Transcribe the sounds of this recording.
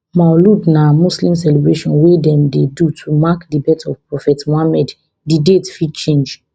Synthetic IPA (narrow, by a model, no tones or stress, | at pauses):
maɔludnamuslĩms̬ɛlebɹeʃɔ̃nwedɛ̃mdedutʰumakdibɛtʰɔvpɹɔfɛtmɔamɛd | didetfidt͡ʃẽnd͡ʒ